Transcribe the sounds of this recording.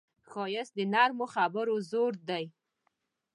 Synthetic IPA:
xojəsd̪ənaɾmoxabəɾozoɾd̪aj

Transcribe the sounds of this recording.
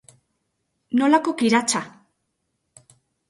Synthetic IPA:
no̞lakokiɾat͡ʃa

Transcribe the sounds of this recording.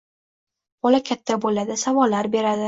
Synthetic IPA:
bɒlakʲʰat̪ʰːabolad̪ɪsavɒlːaɾbe̞ɾad̪ɪ

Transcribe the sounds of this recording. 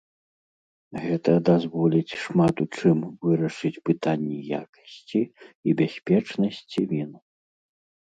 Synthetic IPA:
ɣɛt̪ɐd̪azvɔlʲit͡sʲʂmat̪ut͡ʂɨmvɨɾɐʂɨt͡sʲpɨt̪anʲːɛja̰kɐ̥sʲt͡sʲiibʲasʲpʲɛt͡ʂnɐsʲt͡sʲivʲinu

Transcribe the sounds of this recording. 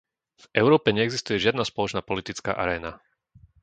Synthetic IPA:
vɛʊɾɔːpɛɲɛɛɡzist̪ujɛʒɪad̪naspɔlɔt͡ʃnaːpɔlit̪it͡ska̰ːʔa̰ɾɛːna

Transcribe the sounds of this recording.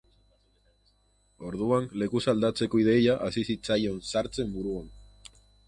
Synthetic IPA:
o̞ɾð̞uanle̞kusald̪at͡se̞ko̞ið̞e̞jaʔasisit͡sajo̞nsaɾt͡se̞mbuɾuan

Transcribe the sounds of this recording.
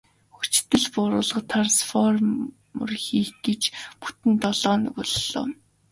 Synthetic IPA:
xut͡ɕ̆t̪ɘ̆ɮpʊɾʊːɮə̆qt̪ʰarsfɔr | mɵ̰rxiːxɡet͡ɕpu̥t̪ɘ̆nt̪ɔɮɔːnɵ̰ɣʊɮɮɔ̰ː

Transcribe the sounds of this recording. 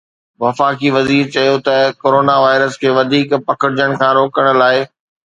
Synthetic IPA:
ʋɐfaːkiʋɐziːɾt͡ɕɐjot̪ɐkoːɾoːnaʋaːɪɾəskʰeːʋɐd̪ʱiːkpɐkəɽɪd͡ʑəɽ̃kʰãːɾoːkəɽ̃̆laːɪ

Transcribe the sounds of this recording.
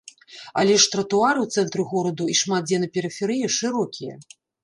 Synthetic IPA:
ɐ̰lʲɛʂt̪ɾɐt̪uaɾɨwt̪sɛnt̪ɾɨɣɔɾɐd̪uiʂmad̪̚d͡zʲɛnɐpʲɛɾɨfʲɛɾɨjɐʂɨɾɔkʲijɐ̰

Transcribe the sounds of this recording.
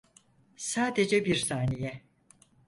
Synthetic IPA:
saːd̪ed͡ʒɛbiɾsaːnijɛ

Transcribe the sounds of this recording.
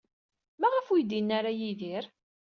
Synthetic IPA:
mæʁəfujd̪inːaɾajiðiɾ

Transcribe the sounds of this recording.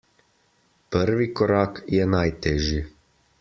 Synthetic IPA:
pəɾʋikoɾaːkjɛnajt̪ɛʒji

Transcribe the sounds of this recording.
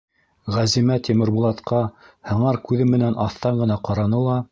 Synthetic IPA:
ʁæzimæt̪ʲimɘ̆ɾbulˠɑt̪qɑhɤ̆ɴɑɾkʉðɘmɘ̆nænʔɑθt̪ɑɴɢɤ̆nɑqɑɾɑnɤlˠɑ

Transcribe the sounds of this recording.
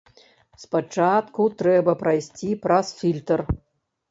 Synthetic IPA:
spat͡ʂat̪kut̪ɾɛbɐpɾajsʲt͡sʲipɾasfʲilʲt̪ər

